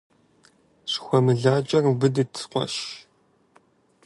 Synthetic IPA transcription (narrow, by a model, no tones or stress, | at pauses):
ʂxʷɔmɨɮaːt͡ʃʼɐrbɨdɨtʰsqʷɔ̰ʃ